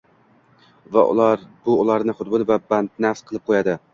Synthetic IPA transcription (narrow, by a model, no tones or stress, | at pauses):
va̰ʊ̰lˠaɾbʊːlˠaɾnɪχʊd̪bʊlvabant̪̚nafsqʰɨlˠɪp̚qʰojad̪ɪ